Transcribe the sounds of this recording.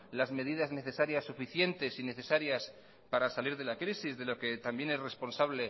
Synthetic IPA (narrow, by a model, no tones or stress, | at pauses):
lazme̞ð̞iðazne̞θe̞saɾjasːufiθje̞nt̪e̞sine̞θe̞saɾjas | paɾasaliɾðe̞lakɾisizðe̞lo̞ke̞t̪ambje̞ne̞sre̞spo̞nsaβle